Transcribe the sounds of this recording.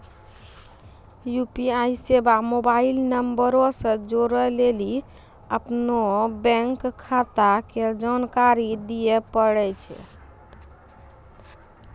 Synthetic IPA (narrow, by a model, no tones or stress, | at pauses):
jupiaisebamobailnəmbəɾosə̃d͡ʒoɾəleli | əpnobɛ̃ŋkʰːat̪aked͡ʒankaɾid̪ijepəɽɛt͡ʃʰɛ̰